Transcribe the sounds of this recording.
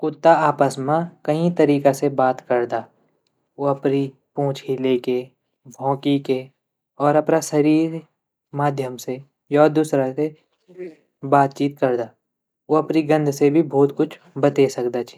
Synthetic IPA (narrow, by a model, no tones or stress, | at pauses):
kʊt̪ːaaːpəsmãkɐɦĩt̪ɐɾiːkasebaːt̪kɐɾd̪aː | oɐpni | põːt͡ʃʰɦileke | bʱɔ̃ːkike | ɔːɾɐpnasɐɾiːɾ | maːd̪ʱjəmse | jaːd̪uːsɾase | baːt̪̚t͡ʃiːt̪̚kɐɾd̪aː | oɐpniɡɐ̃nd̪ʱsebʱibʱɔːt̪kʊt͡ʃʰ | bɐt̪esɐkd̪at͡ʃʰi̥